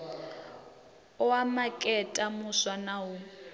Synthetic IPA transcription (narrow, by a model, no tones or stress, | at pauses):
ɔamakʼɛtʼamuswanawu